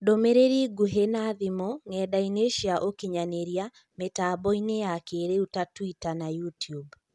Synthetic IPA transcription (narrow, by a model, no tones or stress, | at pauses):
domeɾeɾiɡuɦenaðimoŋɛdaineʃiaʔokiɲaneɾja | metaːbɔinejakeɾeutatwitanajutjub